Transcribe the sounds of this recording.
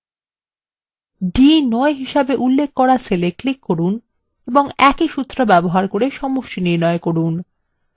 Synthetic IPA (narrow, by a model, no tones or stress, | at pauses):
ɖinɔeɦiʃabeʔulːekʰːɔɾasʰeleklikːoɾun | eboŋɛkiʃut̪ːɾobɛboɦaɾkoɾeʃɔmoʃʈiniɾnɔekoɾun